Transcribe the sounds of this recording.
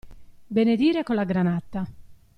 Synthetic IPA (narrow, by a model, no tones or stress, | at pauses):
bened̪iːɾekolaɡɾanat̪ːa